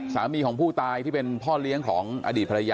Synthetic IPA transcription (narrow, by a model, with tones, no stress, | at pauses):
saː˩˦miː˧kʰɔː˩˦ŋpʰuː˥˩t̪aː˧jt̪ʰiː˥˩pe˧npʰɔː˥˩li˦˥əŋkʰɔː˩˦ŋʔa̰˧diː˨˩t̪̚ʰa˧a˧ja˧